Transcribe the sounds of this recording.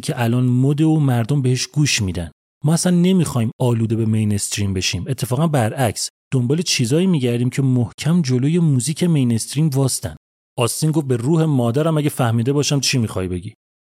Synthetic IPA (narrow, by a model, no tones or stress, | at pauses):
cʰeʔælɒːnmod̪eomæɾd̪ombehe̞ʃɡ̥uːʃmiːd̪æ̰n | mɒːæsænːe̞miːxɒːimɒːluːd̪e̞be̞mejnest̪ɾiːmbe̞ʃiːme̞t̪ʰːe̞fɒːɣænbæɾʔæcsd̪̥o̞mbɒːle̞t͡ʃʰiːzɒːiːmiːɟæɾd̪iːmcʰemohcʰæmd͡ʒo̞loːje̞muːziːcʰe̞mejne̞st̪ɾiːmvɒːst̪æ̰nd̪̥ | ɒːst̪iːnɡofbe̞ruːhe̞mɒːd̪æɾæmæɟefæhmiːd̪e̞bɒːʃæmt͡ʃʰiːmixɒ̰ːjibe̞ɟi